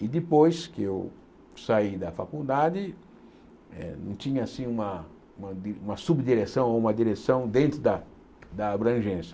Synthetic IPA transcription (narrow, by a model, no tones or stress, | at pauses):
ɪd̪ɪpojskɪew | said̪ɐfakud̪ad͡ʒɪ | ɛ̰nɐ̰̃w̃t͡ʃ̪ĩɲɐasĩũmɐ | ũmɐd̪iũmɐsubd̪iɾesɐ̃w̃oũmɐd̪iɾesɐ̃w̃d̪ẽnt̪ɾʊd̪ɐ | d̪ɐːbɾɐ̃ʒẽsjɐ̥